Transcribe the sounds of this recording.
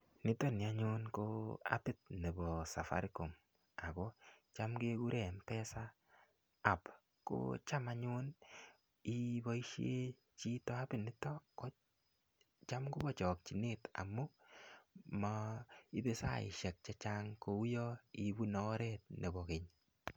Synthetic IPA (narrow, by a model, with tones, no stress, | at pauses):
nɪ˦tɔ˦ni˨a˦ɲʊ˦nko˦a̰˦pɪ˦t̚nɛ˨bɔ˨sa˨fa̰˨ɾiko˨m | a˨ko˦t͡ʃa˦mke˦ku˦ɾɛ˨mpɛ˦saː˦˨ | p | ko̰˦t͡ʃa˦maɲʊ˦n | i˦bɔ˦i˦ʃe˦ | t͡ʃi˦tɔ˦a˦pɪ˦nɪ˦tɔ˦ko˦ | t͡ʃa˦mku˦bɔ˦˨t͡ʃɔ˨k̚t͡ʃi˨ne˦ta̰˨mu˦ | mɔi˦be˦sa̰˦˨ɪ̰˨ʃɛ˨k̚t͡ʃa˦t͡ʃa˦ŋko˧u˦jɔ˦i˨bu˦nɔ˦ɾɛt̚ne˨bɔ˨ke˨ɲ